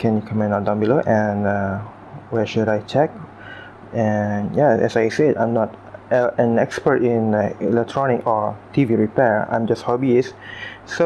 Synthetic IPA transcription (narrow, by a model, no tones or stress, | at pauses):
kʰɛ̃njukʰãmɛ̃nadãmbiloʔɛ̃nʌ | wɛʃuɾajt͡ʃɛk̚ | ɛnjaɛ̰sajsedã̰j̃mnɔtɛ̃nɛkspətĩnilɛk̚tʰɹɔnɪkɔtʰiviɹipɛɹã̰j̃md͡ʒasthɔbisso